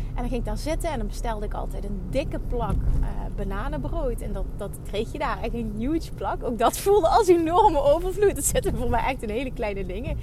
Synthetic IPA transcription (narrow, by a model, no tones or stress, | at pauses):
ʔɛndɑnɣɪŋɪkɡdaːɹzɪtəɛndɑnbəstɛlˠdəɪkɑ̰lˠtɛjtəndɪkəplɑkəbənaːnəbrowjtɛndɑtdɑtkrejxjədaːrɛxənjutsplɑkowk̚dɑtfulˠdəɑlˠsenɔrməʔowvərvlut̚dɑnz̥ɪtəəvʊːɹmɛjʔɛxtənɦejləklɛjnədɪŋə